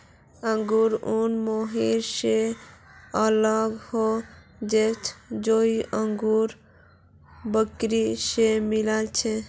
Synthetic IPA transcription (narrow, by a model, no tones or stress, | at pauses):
əŋɡuɾunmoɦiɾse | ələɡho | d͡ʒet͡ʃʰd͡ʒoiʔəŋɡuɾ | bəkɾisemilalt͡ʃʰe